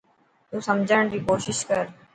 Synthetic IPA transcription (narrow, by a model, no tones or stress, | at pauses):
t̪ũːsəmd͡ʒʱəɽ̃ɾiːkoːʃɪʃkəɾ